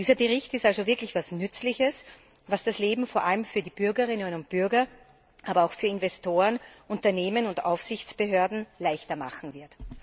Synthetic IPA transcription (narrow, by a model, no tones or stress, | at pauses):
diːzɐbəʁɪçtɪstalzovɪɐklɪçvasnʏt͡slɪçəs | vasd̥asleːbm̩foɐʔaləmfyːɐdiːb̥ʏɐɡəʁɪnənʊnt̚b̥ʏɐɡɐ | ʔaːbɐaʊxfyːɐɪnvɛstoːʁənʔʊntɐneːmənʊndʔa̰ʊfsɪçt͡sb̥əɦøːɐdn̩laɪçtɐma̰χn̩vɪɐt